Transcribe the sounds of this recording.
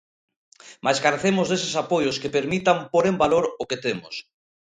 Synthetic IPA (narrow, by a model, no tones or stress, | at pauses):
mʔajskaɾeθemʊzðesesapojʊskepeɾmit̪ampoɾembaloɾʊket̪emʊ̰s